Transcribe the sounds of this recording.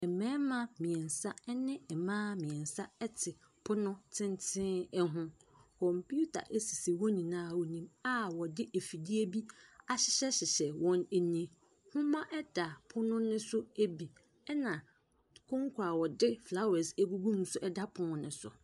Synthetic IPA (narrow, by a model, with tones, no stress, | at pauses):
ɛ˨mɛ̃˦mã˦mĩ˨ɛ̃˨nsa˦ɛ˦nɪ̃˦ɛ˨mãː˦mĩ˨ɛ̃˨nsa˦ɛ˦tʰɪ˨ | pʰʊ˦nʊ̃˦tʰɪ̃˦ntʰɪ̃˦ɛ˦ɦʊ̃˦ | kʰɔ̃˨mpʰu˦tʰa̰˨ʔe˦si˨si˨wɔ˦nĩ˨nãː˦˨wɔ˨nĩ˦ma˦wɔ˨dɪ˦ʔe˨fi˨di˦e˦bi˦a˦ɕɪ̥˨˦ɕɛ˦ɕɪ˨ɕɛ˨wɔ̃˦ne˨nĩ˦˨ | hʊ̃˦mã˦ʔɛ˦d̥a˨pʰʊ˦nʊ̃˦nʊ̃˦sʊ˦e˦bi˨ | ɛ˦nã˨ | kʰʊ̃˦ŋkʰʊ˨a˨wɔ˨dɪ˦fla˦wɛ˨sæ˦bu˦ɡũ˦m˦sʊ˦ʔɛ˦da˦pʰʊ˦nʊ̃˦nʊ̃˨sʊ̰˨